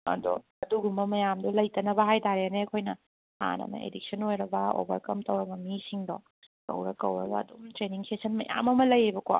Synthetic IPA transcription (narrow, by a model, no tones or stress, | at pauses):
ɐ̰do̰ | ɐduɡumɐmɐjamdulɐjtɐnɐbɐɦajtaɾeaneɐkʰojnɐ | ha̰nɐ̰nɐ̰ḛdik̚sʰɐnojɾɐbɐo̰bɐ̰ɾkɐmtɐwɾɐbɐmisiŋdɔ | kɐ̰wɾɐ̰kɐ̰wɾɐbɐ̰ɐdumtɾeniŋsesʰɐnmɐ̰ja̰mɐmɐlɐjebɐko̰